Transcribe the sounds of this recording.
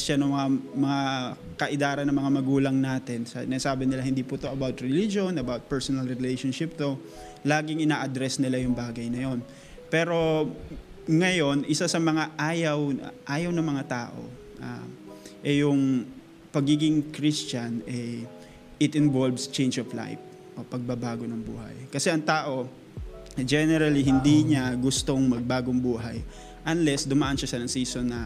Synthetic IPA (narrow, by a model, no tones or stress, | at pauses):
t͡ʃɐnɐŋmɐŋamɐŋa | kɐʔɪd̪aːɾɐnːɐŋmɐŋamɐɡuːlɐŋnaːt̪ɛnsɐ̰nasaːbɪnɪlahɪnd̪ipʊt̪oʔɐbawt̪̚ɹɛlid͡ʒonɐbawt̪̚pɛɹsonɐlɹɛlɛjʃonʃɪp̚t̪o | laːɡɪŋʔɪnaːʔɐd̪ɾɛsnɪlajʊŋbaːɡɐjnɐjo̞n | pɛːɾo̞ | ŋɐjo̞nʔɪsasɐmɐŋaʔaːjɐwʔaːjɐwnɐmɐŋat̪aːʔo̞̰ | ʔa̰ʔɛjʊŋ | pɐɡiːɡɪŋkɾist͡ʃɐnɛ | ʔɪt̪ɪnvolvst͡ʃɛjnd͡ʒɐvla̰jp | ʔopɐɡ̚bɐbaːɡo̞nɐŋbṵːɦɐ̰jkɐsɛʔɐŋt̪aːʔo̞ | d͡ʒɛnɛɾɐliɦɪnd̪iɲaɡʊst̪o̞ŋmɐɡ̚baːɡoŋbuːɦɐj | ʔɐnlɛsd̪ʊmaʔɐnʃasɐnɐŋsiːsonːɐ